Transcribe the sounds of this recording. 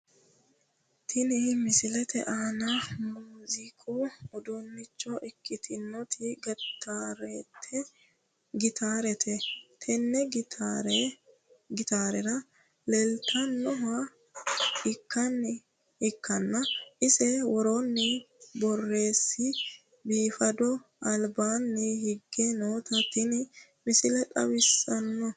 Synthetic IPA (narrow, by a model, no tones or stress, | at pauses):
t̪ʰɪnɪmɪsɪlɛt̪ɛ̰ʔaːnɐmuːzɪkʰɔʊd̪ʊnːɪt͡ʃːɔʔɪkːɪt̪ʰɪnːɔt̪ʰɪɡɛt̪ːaɾɛt̪ʰɛ | ɡɪt̪ʰaːɾɛt̪ʰɛt̪ʰɛnːɛɡtːɾ | ɡɪt̪aːɾɛɾɐ | lɛlt̪ɐnːɔɦɐ | ɪkːɐnːɪ | hɪkːɐnːɐʔɪsɛwɔɾonːɪ | bɔrːe̞ːsːɪ | biːfɐd̪ɔ | ɐlbaːnːɪhɪɡːɛnoːt̪ɐt̪ːɪnɪmɪsɪlɛt̪ʼɐ̰wɪsːɐnːɔ